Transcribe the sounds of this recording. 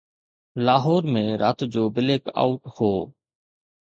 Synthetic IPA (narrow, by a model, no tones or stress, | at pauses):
laːɦɔːɾmẽːɾaːt̪d͡ʑoːbɪleːka̰ːʊʈhoː